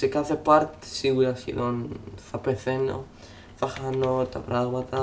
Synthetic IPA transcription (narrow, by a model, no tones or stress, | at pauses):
sekaθepaɾt̪siwuɾasḭðonθapeθeno̰ | faxanot̪apɾaðwat̪a